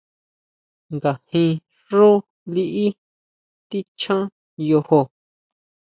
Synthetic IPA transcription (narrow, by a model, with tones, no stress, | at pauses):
ŋɡa˨hĩ˧ | ʐu˦ | li˧ʔi˦ | t̪i˦t͡ʃʰã˦ | jo˧ho˧